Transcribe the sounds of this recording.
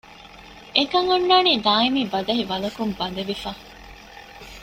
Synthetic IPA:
ekɐŋunːaːniːd̪aːimiːbɐd̪ɐɦiʋɐlɐkumbɐd̪ɐʋifaː

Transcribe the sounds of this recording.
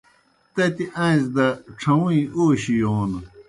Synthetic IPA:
t̪ɐt̪iʔãzd̪ɐʈ͡ʂʰɐwũĩoːɕijoːn

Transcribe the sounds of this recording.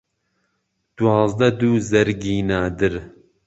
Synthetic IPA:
d̪̥uɑːzd̪ɐd̪uːzɐɾɡiːnaːd̪ɨɾ

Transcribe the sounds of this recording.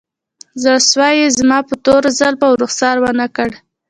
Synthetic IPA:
zəswɑjezmɑpət̪oɾzalpawɾuxsɑɾwanakəɽ

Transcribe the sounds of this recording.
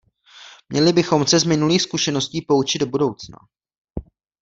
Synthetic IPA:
mɲɛlɪbɪxo̞msɛzmɪnuliːxskuʃɛno̞sciːpo̞ut͡ʃɪd̚obudo̞wt͡sna̰

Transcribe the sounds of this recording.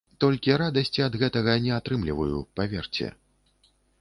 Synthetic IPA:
t̪ɔlʲkʲiɾad̪ɐsʲt͡sʲiɐd̪ɣɛt̪ɐɣɐnʲɛat̪ɾɨmlʲivɐjṵpavʲɛrt͡sʲɛ̰

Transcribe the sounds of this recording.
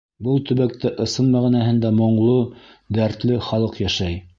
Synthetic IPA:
bɤlˠt̪ɵ̆βæk̚t̪ɘʔɤ̆sɤnmæʁinæhɘnd̪æmŏɴlˠo | d̪æɾt̪lɘχɑlˠɤqjæʃæj

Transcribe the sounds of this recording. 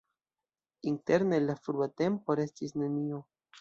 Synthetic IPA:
inte̞ɾne̞lafɾuate̞mpo̞ɾe̞stisne̞nio̞

